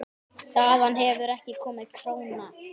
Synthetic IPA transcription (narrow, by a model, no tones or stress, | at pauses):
θaðanɦɛvʏɾɛhcɪkʰɔːmaðikʰɾoːwna